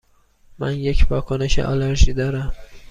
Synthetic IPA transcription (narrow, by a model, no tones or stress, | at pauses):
mæ̰nje̞cʰvɒːkʰone̞ʃḛʔɒ̰leɾʒiːd̪ɒːɾæm